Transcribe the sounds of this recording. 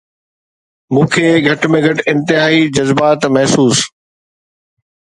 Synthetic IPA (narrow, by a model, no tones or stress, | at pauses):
mũːkʰeːɡʱɐʈmẽɡʱɐʈɪ̃nt̪ɪɦaːɦid͡ʑɐzbaːt̪mɐɦsuːs